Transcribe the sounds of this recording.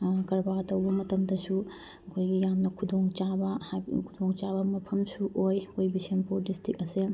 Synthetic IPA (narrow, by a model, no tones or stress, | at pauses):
kɐɾbatɐwbɐmɐtɐmdɐsu | ɐkʰojɡijamnɐkʰudʱoŋt͡ʃabɐhkʰud̪ʱoŋt͡ʃabɐmɐpʰɐmsuʔojojbisenpuɾdistik̚ɐse